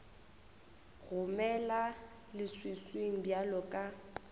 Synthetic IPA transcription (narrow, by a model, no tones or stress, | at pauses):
ɣʊmɛla | lɪswisweŋ̩bjalɔkʼa